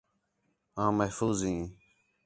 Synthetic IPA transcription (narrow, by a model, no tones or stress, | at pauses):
ãːməɦfuːzɦĩː